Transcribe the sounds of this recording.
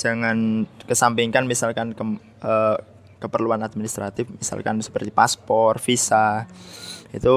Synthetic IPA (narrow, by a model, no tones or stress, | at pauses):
d͡ʒaŋankəsampiŋkanmisalkankə | ə | kəpərluanad̪̚minist̪ɾat̪ɪfmisa̰lkansə̥pərt̪ipaspɔrfisa | it̪u